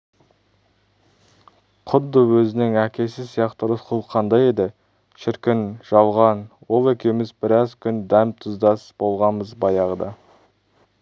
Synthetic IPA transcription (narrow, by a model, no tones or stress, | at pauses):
qʰʊd̪ːəwɵzɪnɪŋækʲe̞sɪzsijɑqt̪əɾʊsqʰʊlˠqʰːɑnd̪ɑje̞d̪ɪ | ʃɪɾkʲɪnʒ̥ɑlˠʁɑnwo̞lˠe̞kʲe̞mɪzbɪɾɑzkʲʰʏnd̪æmt̪ʰʊzd̪ɑsb̥o̞lˠʁɑnbəzbɑjɑʁəd̪ɑ